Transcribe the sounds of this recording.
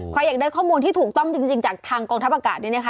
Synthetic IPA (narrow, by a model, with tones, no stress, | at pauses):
kʰɾa˧jːaː˨˩k̚daː˥˩jkʰɔː˥˩muː˧nt̪ʰiː˥˩t̪ʰuː˨˩k̚t̪ɔ˥˩ŋt͡ɕi˧ŋt͡ɕi˧ŋt͡ɕaː˨˩k̚t̪ʰaː˧ŋkɔː˧ŋt̪ʰa˦˥pʔaː˧kaː˨˩t̪̚niː˥˩na˦˥kʰa˦˥